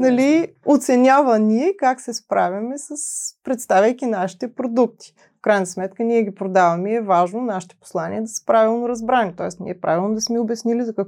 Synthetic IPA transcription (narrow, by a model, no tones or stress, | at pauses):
nɐliot̪sɛnʲavɐniɛkaksɛspɾavʲɐmɛsəspɾɛt̪st̪avʲəjkinaʃi̥t̪ɛpɾod̪uk̚t̪i̥ | fkɾajnɐsmɛt̪kəniɛɡʲipɾod̪avɐmɛɛvaʒnonaʃi̥t̪ɛ̥po̥slˠanḭəd̪ɐsə̥pɾavilˠnoɾɐzbɾanit̪ɔɛsnḭɛpɾa̰vʲilˠnod̪ɐsmɛʊbʲɛsnilizɐkɐk